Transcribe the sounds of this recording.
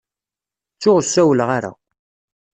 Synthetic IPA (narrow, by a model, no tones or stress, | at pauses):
t͡sːʊʁsːæwəlʁaɾæ̰